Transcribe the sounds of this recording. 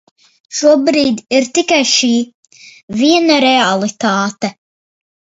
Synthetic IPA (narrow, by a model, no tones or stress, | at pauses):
ʃuɔbɾiːd̪iɾt̪ikajʃiː | viɛnaɾɛalˠit̪aːt̪ɛ